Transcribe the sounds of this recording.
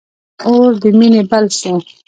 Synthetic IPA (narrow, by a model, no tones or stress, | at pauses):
oːɾd̪iminebɐlsẽ